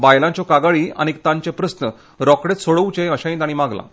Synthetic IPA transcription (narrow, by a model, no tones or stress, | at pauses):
bajlãt͡ɕɔkaɡaɭiːa̰ñik̚t̪ãɲt͡ɕepɾəsnə | ɾɔkɽet̪soɭəwt͡ɕẽəɕãjĩnt̪aɽimaɡlã̰